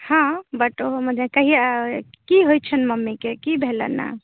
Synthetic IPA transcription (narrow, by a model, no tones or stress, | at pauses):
hãbəʈoɦoməd͡ʒekəɦi | kiɦojt͡ʃʰənməmːekekibʱelə̰nːa̰